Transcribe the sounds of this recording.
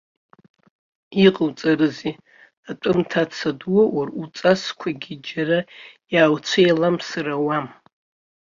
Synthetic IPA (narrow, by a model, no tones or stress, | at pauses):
iqʼəwt͡sʼaɾɨzi | atʷʼɨmtʰat͡sʰadwowarut͡sʼaskʷʰaɡʲid͡ʒarajaːwt͡sʷʰejlamsarawam